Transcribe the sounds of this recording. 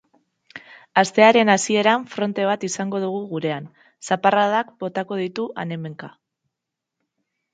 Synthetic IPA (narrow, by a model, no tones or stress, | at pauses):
ast̪e̞aɾe̞nasie̞ɾaɱfɾo̞nt̪e̞β̞at̪isaŋɡo̞ð̞uɣ̞uɣuɾe̞an | saparaðakbo̞t̪ako̞ð̞it̪uʔane̞me̞ŋka